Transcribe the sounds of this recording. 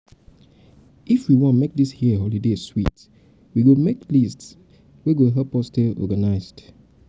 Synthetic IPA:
ifwiwɔ̃nmek̚dishiəɦɔlideswḭt | wiɡomeklists | weɡoɦɛlpɔsteɔ̰ɡanaɪzd̥

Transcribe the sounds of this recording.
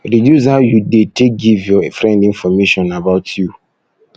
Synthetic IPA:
ɾidjus̬haʊjudetʰeɡivjɔfɾɛ̃ndĩnfɔmeʃɔ̃nabaʊtʰju

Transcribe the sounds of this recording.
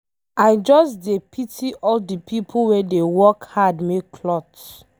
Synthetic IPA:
aɪd͡ʒɔsdepʰitʰiʔɔldipʰipʰuwedewɔkhadmekːʰlɔt

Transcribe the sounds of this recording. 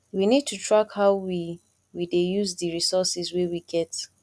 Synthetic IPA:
winid̚tʰutɹakhaʊwi | widejuzdɨɹisɔsiswewiɡɛt

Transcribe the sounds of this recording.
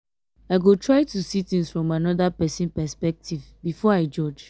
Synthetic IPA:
aɪɡotʰɹaɪtusitĩŋsfɹɔ̃manɔdapɛsĩnpɛspɛk̚tʰiv | bifɔaɪd͡ʒɔd͡ʒ

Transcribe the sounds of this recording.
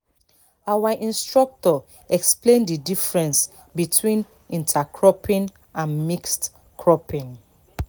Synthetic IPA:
awaʔĩnstɹɔk̚tɔ | ɛksplẽndidifɹɛ̃ns | bitʰwĩn | ĩntʰakʰɹɔpʰĩn | ʔãnmikst | kʰɹɔpĩn

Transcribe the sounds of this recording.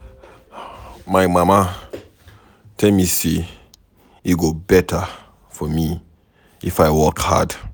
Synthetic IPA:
maɪmama | tʰɛlmise | iɡobɛtə | fɔmi | ifaɪwɔkha̰d

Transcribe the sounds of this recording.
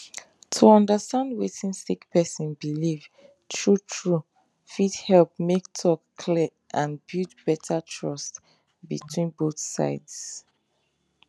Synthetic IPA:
tʰuɔ̃ndəstãndwetĩnsikpʰɛsɔ̃nbiliv | tʰɹutʰɹu | fithɛlpmektʰɔkʰlɛ | ʔãnbutb̥ɛtʰətʰɹɔst | bḭtʰwĩnboθsa̰ɪds

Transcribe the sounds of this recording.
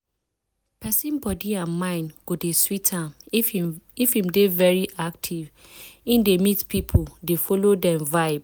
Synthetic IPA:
pɛsĩnbɔdiãnmãɪ̃nɡ̥odeswitʰãm | ifĩmdevɛɹiʔak̚tʰiv | ĩndemitpʰipʰodefɔlodɛ̃mvaɪb

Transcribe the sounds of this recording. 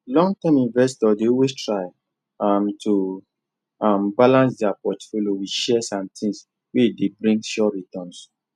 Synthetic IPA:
lɔ̃ŋɡtɛ̃mĩnvɛs̬tɔdeowestɹaɪ | amtʰu | ambalãnsdjapɔtfoljowiʃɛsãmtʰĩŋs | wedebɹĩŋɡʃɔɹitɔ̃ns

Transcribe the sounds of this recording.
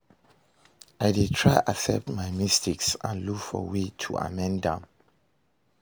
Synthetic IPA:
ajditʰɹajʔasɛp̚tmajmistiksã̰nlukfɔ̰witʰṵʔa̰mɛ̃ndãm

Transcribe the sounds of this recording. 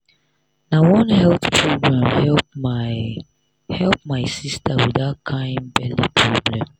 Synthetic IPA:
nawɔ̃nhɛlθt͡ʃʰɹoɡɹãmhɛlp̚ | hɛlp̚maɪsistawidaʊt̚kʰãɪ̃nbɛlipʰɹoblɛ̃m

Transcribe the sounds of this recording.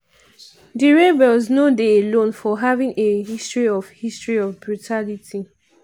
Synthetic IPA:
diɹɛvɛlznodeelõnfɔɦavĩŋeɦistɹiɔvhistɹiɔvbɹutʰalitʰi

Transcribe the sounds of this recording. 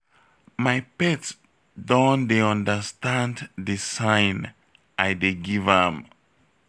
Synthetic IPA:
majpɛts | dɔ̃ndeɔ̃ndəstãndðisãɪn | ʔajdeɡivɛ̃m

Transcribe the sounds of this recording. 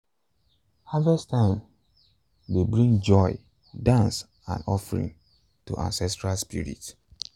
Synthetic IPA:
havɛstʰãɪ̃m | debɹĩŋd͡ʒɔɪ | dãns | ã̰nɔfɹḭ̃n | tṵʔã̰nsɛstɹalspḭɹḭt

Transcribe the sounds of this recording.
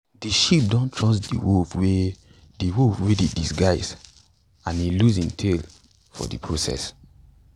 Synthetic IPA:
diʃip̚dɔ̃ntʰɹɔsdḭwofwe | diwofwededisɡaɪs | ãniluzĩntʰel | fɔ̰dḭpʰɹosɛ̰s

